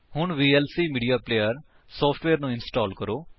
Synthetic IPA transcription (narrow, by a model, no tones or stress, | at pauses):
hʊɳ̃ʋiːelsiːmiːɖijaːpleːjəɾ | sɔːpʰʈʋeːɾnũɪnsʈɔːlkəɾoː